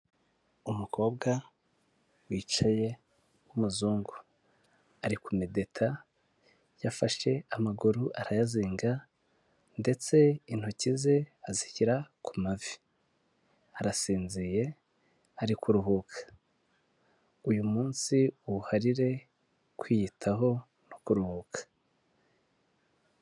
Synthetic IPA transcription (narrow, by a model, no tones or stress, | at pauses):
umukʰo̞ːbɡa | wiːt͡ʃaje̞ | umuzuːŋɡu | aɾikumide̞tʰa | jafaʃe̞amaɡuɾuʔaɾajaziːŋɡa | nde̞t͡se̞in̥hocize̞azihiɾakumavi̥ | aɾasiːnzije̞ | aɾikuɾuɦukʰḁ | ujumuːnsiuuhaɾiɾe̞ | kwijitʰaɦo̞ | nokuɾuhukḁ